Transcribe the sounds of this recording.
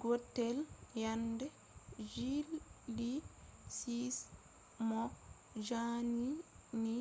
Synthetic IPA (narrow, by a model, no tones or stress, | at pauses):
ɡotːɛljandɛ | d͡ʒilːisis | mɔ | d͡ʒani | ni